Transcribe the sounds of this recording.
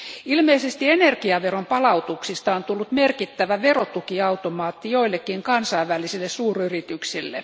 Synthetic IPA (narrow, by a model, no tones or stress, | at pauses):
ilmeisest̪ienerkiɑʋerompɑlɑut̪uksist̪ɑont̪ulːut̪merkit̪ːæʋæʋerot̪ukiɑut̪omɑːt̪ːijoilːekːiŋkɑnsɑiʋʋælːˑisilːessuːryrit̪yksilːḛ